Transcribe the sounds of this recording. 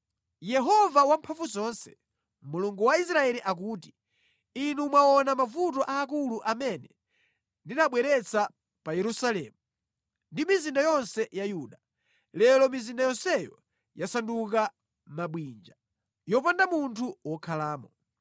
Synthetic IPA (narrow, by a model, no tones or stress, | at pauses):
jɛɦɔvawampʰaɱvuzɔnsɛ̥ | muluŋɡuwaisɾaɛliʔak̬uːti | inumwaɔnamavutɔʔaːkuluʔamɛnɛ | ndinaɓwɛɾɛt͡sʰa | pajɛɾusalɛ̰ːmu | ndimizindajɔnsɛjajuːɗa | lɛlɔmizindajɔnsɛjɔ | jasanduka | maɓwind͡ʒa | jɔp̬andamuntʰuwɔkʰalaːmɔ